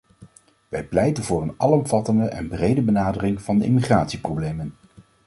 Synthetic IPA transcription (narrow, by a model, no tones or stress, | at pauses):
ʋɛjplɛjtənvʊːrənɑlɔmv̥ɑtəndəʔɛ̰nbrejdəbənaːdərɪŋv̥ɑndəʔḭmiχraːtsiprowblejmən